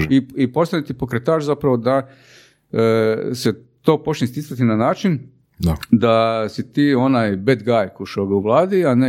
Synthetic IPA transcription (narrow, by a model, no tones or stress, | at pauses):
iipo̞st̪anit̪ipo̞kɾet̪aːʃzapɾaʋo̞d̪a | se | t̪o̞ːpo̞t͡ʃnʲist̪isat̪inanaːt͡ʃin | d̪ad̪asit̪iːo̞naːjbed̪ɡajkuʃoːɡauʋlˠaːd̪iane